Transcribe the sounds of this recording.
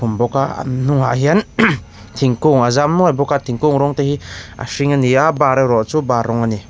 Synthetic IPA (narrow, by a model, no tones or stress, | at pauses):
umbɔka̰nuŋaɦian | t̪ʰiŋkuŋazamnuajbɔkat̪ʰiŋkuŋɾɔŋt̪ehia̰siŋaniabaɾaɾɔʔt͡subaɾɔŋani